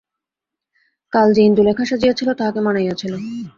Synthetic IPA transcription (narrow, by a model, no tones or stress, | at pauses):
kald͡ʑend̪ulekʰaʃad͡ʑijat͡ɕʰilot̪aɦakemanajat͡ɕʰilo